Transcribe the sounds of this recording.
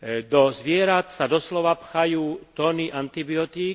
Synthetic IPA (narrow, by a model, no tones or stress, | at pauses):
d̪ɔzʋɪɛɾat̪sad̪ɔslɔʋapxajuːt̪ɔːniʔant̪ibiɔt̪iː